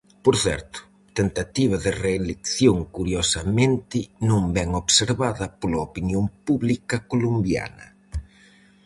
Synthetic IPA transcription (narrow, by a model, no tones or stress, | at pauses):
poɾθɛ̰ɾt̪ʊ̥ | t̪ent̪at̪iβ̞ɐðɪreːlekθjoŋkuɾjosɐmẽnt̪ɪnõmbɛŋoβseɾβaðɐpolɐopinjoŋpuβlikɐkolumbja̰nɐ̰